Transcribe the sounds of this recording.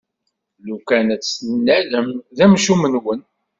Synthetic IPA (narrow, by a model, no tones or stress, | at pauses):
lukænæt͡sːlənːæləmðæmʃumənwən